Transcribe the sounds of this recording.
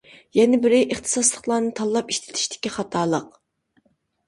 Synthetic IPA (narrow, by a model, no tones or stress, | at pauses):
jɛnɪbɪɾɪʔeχt̪ʰɨ̥sɑslˠəχlˠɑːnɨt̪ʰɑlˠːɑpiʃt̪ʰɪ̥t̪ʰi̥ʃt̪ʰɪ̥kʲiχɑt̪ʰɑːlˠəq